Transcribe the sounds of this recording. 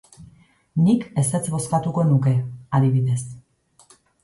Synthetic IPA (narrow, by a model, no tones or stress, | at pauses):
nike̞set͡sbo̞skat̪uko̞nuke̞aðiβ̞iðe̞s